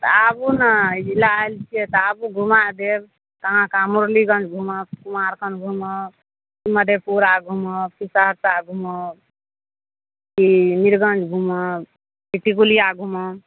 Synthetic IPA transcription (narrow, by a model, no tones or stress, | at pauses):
t̪abunad͡ʒilaelt͡ʃʰiɛt̪abuɡʱumad̪eb | k̪əɦãkamuɾliɡʌnd͡ʒɡʱuməkumaɾkənɡʱumə | kiməd̪ʱepuɾaɡʱuməpisaɾsaɡʱumɔ | kiniɾɡənd͡ʒɡʱumə | piʈikuliaɡʱumə